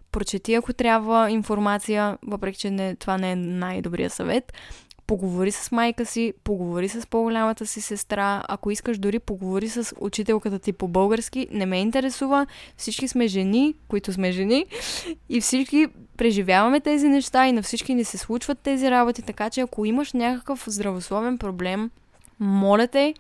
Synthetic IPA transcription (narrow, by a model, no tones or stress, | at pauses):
pɾot͡ʃɛt̪iɐkot̪ɾʲjabvəinfoɾmat̪sijəvəpɾɛkʲi̥t͡ʃɛnɛt̪ovanɛɛnajd̪obɾḭjə̰sɐvɛt̪poɡovoɾisə̥smajkəsipoɡovoɾisəspoɡolʲamət̪əsisɛst̪ɾaɐ̰koiskəʃd̪ʊɾipoɡovoɾisəso̰t͡ʃit̪ɛlˠkət̪ət̪ipobɤlˠɡəɾskinɛmɛint̪ɛɾɛsuvəfsit͡ʃkismɛʒɛnikoit̪ʊsmɛʒɛni | ifsit͡ʃkipɾɛʒivjavɐmɛt̪ɛzinɛʃt̪ainɐfsit͡ʃkinɛsɛslˠut͡ʃvət̪ːɛziɾabot̪it̪ɐkat͡ʃɛɐkoiməʃnʲakəkəfzd̪ɾɐvoslˠɔvɛnpɾoblɛmː | ɔlɛt̪ɛ